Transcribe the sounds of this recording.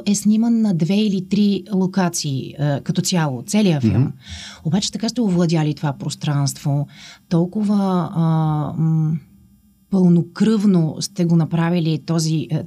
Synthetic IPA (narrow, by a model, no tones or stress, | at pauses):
ɛsnʲimənːɐd̪vɛilit̪ɾilˠokat̪siːəkɐt̪ɔt̪sʲjalˠot̪sɛlijəfḭlˠmobat͡ʃɛ̥t̪ɐkaʃt̪ɛovlˠɐd̪ʲjalit̪ovapɾost̪ɾanst̪vot̪ɔlˠkʊvə | pɤlˠnokɾɤvnost̪ɛɡonɐpɾavilit̪ɔzi